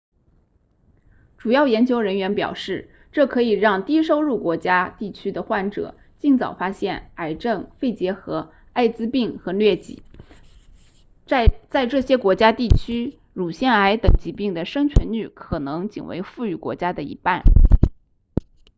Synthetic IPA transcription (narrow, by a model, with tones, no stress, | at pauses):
ʈ͡ʂu˨˩jɑ˥˩ʊjɛ˧˥nt͡ɕjo˥ʊɻə˧˥nɥɛ˧˥npjɑ̰˨˩ʊʂɻ̩˥˩ | ʈ͡ʂɤ˥˩kʰɤ˧˥i˨˩ɻɑ˥˩ŋt̪i˥ʂo˥ʊɻu˥˩kwɔ˧˥t͡ɕja˥t̪i˥˩t͡ɕʰy˥d̪ə˨xwa˥˩nʈ͡ʂɤ̰˨˩˦ | t͡ɕi˥˩nt͡sɑ̰˨˩ʊfa˥ɕjɛ˥˩na˧˩ɪʈ͡ʂɤ˥˧ŋfe˥˩ɪt͡ɕjɛ˧˥xɤ˧˥ | a˥˩ɪt͡sɹ̩˥pi˥˩ŋxɤ˧˥lɥɛ˥˩t͡ɕḭ˨˩˦ | t͡sa˥˧ɪʈ͡ʂɤ˥˩ɕjɛ˥kwɔ˧˥t͡ɕja˥t̪i˥˩t͡ɕʰy˥ | ɻu˨˩ɕjɛ˥˩na˧˥ɪt̪ɤ˨˩ŋt͡ɕi˧˥pi˥˩ŋd̪ə˩ʂɤ˥ŋt͡ɕʰɥɛ˧˥ny˥˩kʰɤ˨˩nɤ˧˥ŋt͡ɕḭ˨˩ŋwḛ˧˥ɪfu˥˩y˧˩kwɔ̰˧˥t͡ɕja˥d̪ə˨ḭ˧˥pa˥˩n